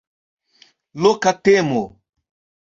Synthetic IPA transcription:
lokatemo

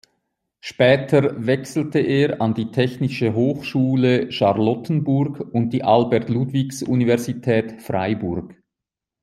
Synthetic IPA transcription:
ʃpɛːtʰəvɛksl̩təʔeːʁɑndiːtʰɛçnɪʃəɦoːxʃuːləʃɑʁlɔtən̩bʊrɡʊnt̚d̥iːʔɑlbɛɐtlutv̥iksunivɛʁzitʰɛːtfʁa̰ɪbʊrɡ̥

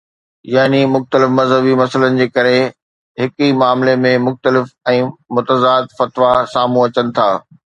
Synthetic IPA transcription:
jaːnimʊxt̪əlɪfmɐzɦəbimɐsələnɪ̆d͡ʑeːkɐɾe | ɦɪkimaːmlemẽmʊxt̪əlɪfɛ̃ːmʊt̪əzaːd̪fɐt̪ʋasaːmũɐt͡ɕənɪ̆t̪ʰa̰ː

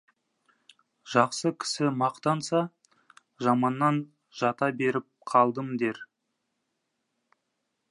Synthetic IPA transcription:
ʒ̥ɑqsəkʲʰɪ̥sɪmɑqt̪ɑnsɑ | ʒɑmɑnːɑn | ʒɑt̪ɑbe̞ɾɪp̚qʰɑlˠd̪əmd̪eɾ

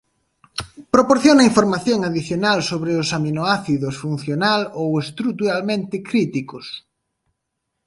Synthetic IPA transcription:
pɾopoɾθjonɐiɱfoɾmaθjoŋaðiθjonalsoβɾeʊsaminoaθiðʊsfun̟θjonalowest̪ɾut̪uɾalmẽnt̪ɪkɾit̪ikʊs

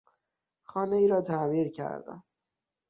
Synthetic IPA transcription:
xɒːneiːɾɒːt̪ʰæmiːɾcʰæ̰ɾd̪æ̰m

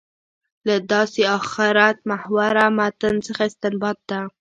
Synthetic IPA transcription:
lad̪ɑseɑxɪɾat̪̚mahwaɾamat̪ənt͡səxaɪst̪ɪmbɑt̪̚d̪a

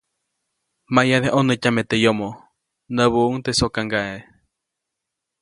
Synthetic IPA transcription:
majaðeʔonəcamet̪ejomo | nəβuuŋt̪esokaŋɡae

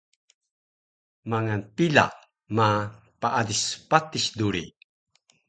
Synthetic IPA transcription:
maŋanpila̰ʔ | ma | paʔadispatisduɾi

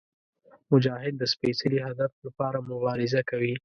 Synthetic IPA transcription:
mʊd͡ʒɑhɪd̪̚ːəspesaliɦad̪aflapɑɾamʊbɑɾɪzakawi

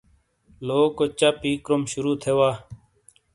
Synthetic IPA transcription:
loːkot͡ʃapiːkɾomʃʊɾuːt̪ʰeːʋaː

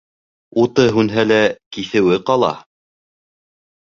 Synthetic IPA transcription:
ut̪ɤɦʉnɦælækiθɘ̆wɘqɑlˠɑ̰

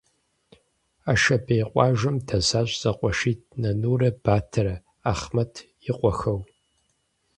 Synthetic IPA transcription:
aːʃɐbejqʷʼɑːʒʷɐmtʰɐzaːɕʷʼzʼɐqʷʼɔʃiːt̚ʰnɐnuːrɐb̥aːtʰɐɾɐ | aːχmɐtʰjɪqʷʼɔxɐw

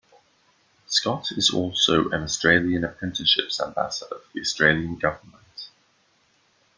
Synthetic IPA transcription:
skɒtʰɪzɔ̰ˑlˠsəʊʔə̃nəstɹ̥eɪliə̃nəpʰɹ̥ɛ̃ntʰɪʃɪpsã̰mba̰sədəfəðiɒstɹ̥eɪljə̃nɡʌvəmə̃nt

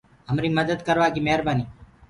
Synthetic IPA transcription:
ɦəmɾiːməd̪əd̪kəɾʋaːɡiːmeɦɾbaːniː

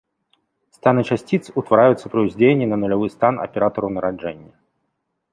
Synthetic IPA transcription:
st̪anɨt͡ʂasʲt͡sʲit̪sut̪vaɾajut̪sːɐpɾɐuzʲd͡zʲenʲːinɐnʊlʲavɨst̪anɐ̰pʲɛɾat̪ɔɾunɐɾad͡ʐɛnʲːɐ

